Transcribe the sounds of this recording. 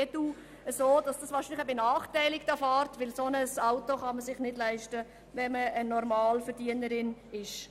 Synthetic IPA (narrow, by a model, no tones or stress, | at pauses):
edu | əsoːd̥ɑsd̥ɑsʋɑːɾʃinlɪχəbenɑːχtæɪlɪɡd̥ɑfɑːɾtʋɪlsonəsɑʊtoχɑməsɪχnɪdlæɪʃtə | ʋɛməənɔɾmɑːlfɛɾdiənəɾɪnɪʃ